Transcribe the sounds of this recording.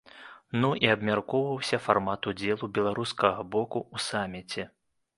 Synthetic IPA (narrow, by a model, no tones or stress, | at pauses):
nuʔiabmʲarkɔvɐwsʲɐfarmat̪ud͡zʲɛlˠubʲɛlˠaɾuskɐɣɐbɔkuusamʲit͡sʲɛ